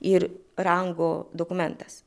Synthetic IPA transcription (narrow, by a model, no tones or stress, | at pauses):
ɪɾɾɐŋɡoːd̪okʊmʲɛnt̪ɐs